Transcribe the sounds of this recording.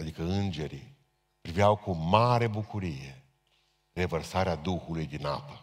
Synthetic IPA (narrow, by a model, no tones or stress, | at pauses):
ad̪ikəɨnd͡ʒe̞ɾi | pɾiviawkumaɾe̞bukuɾijḛ | re̞vərsaɾead̪uxulujd̪ina̰pə